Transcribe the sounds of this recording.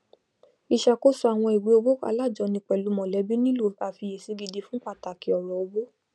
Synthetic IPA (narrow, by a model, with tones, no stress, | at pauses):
i˨ʃa˨ko˦su˦a˨w̃ɔ̃˧i˨ɡ͡be˨˦o˧ɡ͡bo˦a̰˧la˦˨d͡ʒɔ˨˧˦nĩ˧k͡pɛ˨lu˨˦mɔ̃˨lɛ˨˦bi˦nĩ˦lo˦˨a˨fi˧je˨si˨˧˦ɡi˧di˧fũ˦k͡pa˧˨ta˨ki˨ɔ˨ɾɔ˨o˧ɡ͡bo˦